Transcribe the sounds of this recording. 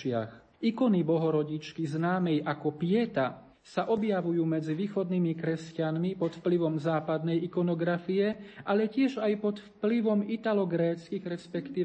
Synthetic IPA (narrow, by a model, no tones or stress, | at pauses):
ɪa̰x | ikɔnibɔɦɔɾɔɟit͡ʃkiznaːmɛjʔakɔpɪɛt̪a | saʔɔbjaʋujuːmɛd͡ziʋiːxɔd̪nimikɾɛscanmipɔt̪fpliʋɔmzaːpad̪nɛjikɔnɔɡɾafijɛʔalɛcɪɛʒajpɔt̪fpliʋɔmit̪alɔɡɾɛːt͡skiɣɾɛspɛkt̪iː